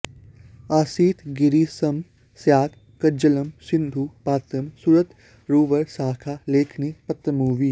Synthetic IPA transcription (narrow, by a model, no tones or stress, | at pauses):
aːsiːt̪ʰɡiɾiːsɐm | sjaːt̪ʰ | kɐɾd͡ʒɐlɐmsɪ̃nd̪ʱuːpaːt̪ɐmsuɾət̪ | ɾuːʋɐɾsaːkʰaleːkʰnipɐt̪ɾəmuːʋiː